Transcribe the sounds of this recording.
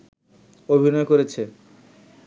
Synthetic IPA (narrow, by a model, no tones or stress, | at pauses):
obʱinɔekoɾet͡ɕʰe